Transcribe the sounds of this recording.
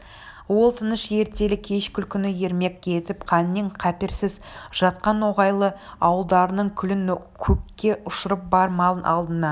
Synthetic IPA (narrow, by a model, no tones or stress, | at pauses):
wo̞lˠt̪ʰənəʃje̞ɾt̪e̞lɪkʲʰe̞ʃkʲʏlkʲʰʏnɪje̞ɾme̞kʲkʲʰe̞t̪ɪpqʰɑnːeɴqʰæpɪɾsɪz | ʒ̥ɑt̪̚qɑnwo̞ʁɑjlˠəɑwəlˠd̪ɑɾənəɴkʲʰʏlɪn | kʲʰɵkʲːe̞ʊʃəɾəp̚bɑɾmɑlˠənʔɑlˠd̪ənɑ